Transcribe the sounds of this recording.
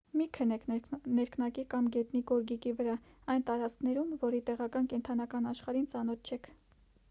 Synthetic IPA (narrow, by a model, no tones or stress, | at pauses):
mikʰənɛkʰnɛɾknɑkikɑmɡɛt̪niɡɔɾɡikivəɾɑ | ɑjnt̪ɑɾɑt͡skʰnɛɾumvɔɾit̪ɛʁɑkɑnkɛnt̪ʰɑnɑkɑnɑʃχɑɾint͡sɑnɔt̪̚t͡ʃʰɛkʰ